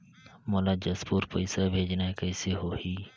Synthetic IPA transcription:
molaːd͡ʒəspuːɾpəɪsaːbʱeːd͡ʒnaːekəːseːɦoːhiː

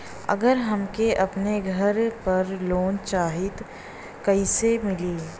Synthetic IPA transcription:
ɐ̰ɡəɾɦɐmkeʔɐpneɡʱɐɾpɐɾloːnt͡ʃaːɦɪt̪ | kɐisemɪliː

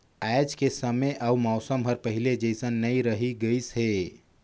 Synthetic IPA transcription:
aɪd͡ʒkesəmeʔaumɔːsəmɦəɾpəɦiled͡ʒɛɪsə̃nnəĩɾəɦiɡəisɦeː

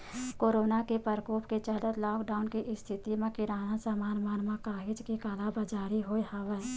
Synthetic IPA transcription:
koːɾoːnakepəɾkoːpket͡ʃəd̪ət̪lɔːkɖaːʊnkiʔɪst̪ʰɪt̪imẽkɪɾaːnasamaːnmaːnmãkaːɦɪd͡ʒkikaːlabəd͡ʒaːɾiɦoːehaʋɛː

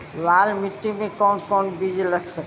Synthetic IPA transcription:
laːlmɪʈːimẽkɔːnkɔːnbid͡ʒləkʰsək

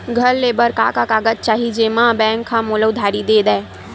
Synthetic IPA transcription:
ɡʱəɾlːebəɾka̰kakaɡəd͡ʒ̚t͡ʃaːɦid͡ʒemãbɛ̃ːŋkʰːãmoləʊd̪ʱaːɾid̪ed̪ɛː

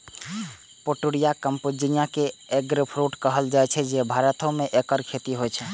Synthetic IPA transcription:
poʈuɽijakəmpud͡ʒinijakeeɡɾəpʰɾuʈkəɦəld͡ʒajt͡ʃʰɛd͡ʒebʱaɾət̪õmeʔekəɾkʰet̪iɦojt͡ʃʰɛ

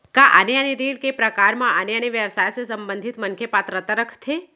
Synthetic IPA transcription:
kaʔa̰neəneɾiɽkepɾəkaɾmãʔəneəneʋjəʋsajsesəmbə̃nd̪ʱit̪məŋkʰepat̪ɾət̪əɾəkʰt̪ʰe

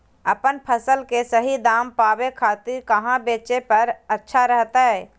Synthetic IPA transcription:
əpənpʰəsəlkesəɦid̪aːmpaːbekʰaːt̪ɪɾkəɦãbeːt͡ʃepəɾətːʃʰaɾəɦt̪aɦɛː

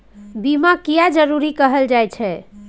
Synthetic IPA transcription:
bimakijad͡ʒəɾuɾikəɦəld͡ʒajt͡ʃʰɛ

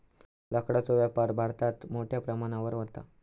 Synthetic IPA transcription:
ləkɽat͡soʋjapaɾbʱaɽt̪at̪moʈʰjapɾəmaɽ̃aʋəɾʋət̪a̰

